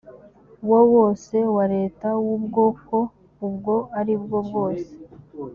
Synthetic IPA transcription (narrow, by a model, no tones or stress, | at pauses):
wowo̞ːse̞waɾe̞ːtawubɡo̞ːko̞ | ubɡo̞aɾibɡo̞bɡo̞ːse̥